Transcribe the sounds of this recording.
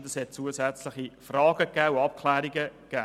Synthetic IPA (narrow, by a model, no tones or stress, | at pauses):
dəshɛt̚t͡suːəsæt͡slɪχifrɑːɡ̥əkɛːuɑp̚kʰlɛːɾiɡəkɛː